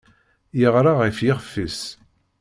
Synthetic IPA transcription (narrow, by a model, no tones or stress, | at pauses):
jəʁɾˤaʁifjɪχfːis